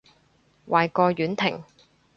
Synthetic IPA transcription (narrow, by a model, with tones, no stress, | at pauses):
wʔaː˨jkɔː˧jyː˨˥nt̪ʰɪ̰˨˩ŋ